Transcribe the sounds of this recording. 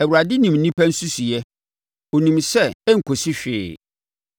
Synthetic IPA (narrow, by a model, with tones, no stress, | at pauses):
ɛ˨wu˨ɾa˨dɪ˦nĩ˨mn̩˦nĩ˦pʰæ̃˦n̩˦su˦si˨jɛ˦ | o˨nĩ˨msɛ˦˨ɛ˦ŋ̩˨kʰo˨si˦ɕᶣɪ̰ː˨